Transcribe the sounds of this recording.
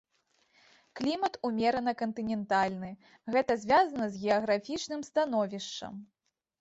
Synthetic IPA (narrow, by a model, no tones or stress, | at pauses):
klʲimɐt̪umʲɛɾɐnɐkɐnt̪ɨnʲɛnt̪alʲnɨ | ɣɛt̪ɐzʲvʲazɐnɐzɣʲɛɐɣɾafʲit͡ʂnɨmst̪anɔvʲiʂt͡ʂɐ̰m